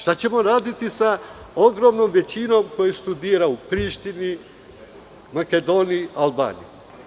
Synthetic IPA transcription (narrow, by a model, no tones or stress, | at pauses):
ʃt̪at͡ɕe̞mo̞ɾaːd̪it̪isao̞ɡɾo̞mnomʋe̞t͡ɕino̞ːmko̞jest̪ud̪iːɾaupɾiːʃt̪ini | make̞d̪o̞ːnialba̰ːnḭju